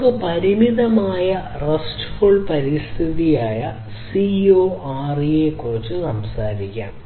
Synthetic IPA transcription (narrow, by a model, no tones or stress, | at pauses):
kːɨpɐɾimiðɐmaːjɐ | rɐstfoɭpɐɾist̪ʰiðijaːjɐ | sioːaːrijekːurit͡ɕːɨsɐmsaːɾikʲːa̰ːm